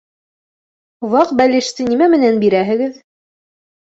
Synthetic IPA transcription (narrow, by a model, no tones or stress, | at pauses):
wɑqbælʲɘʃt̪ɘnimæmɘ̆nænbiɾæɦɘ̆ɡɘð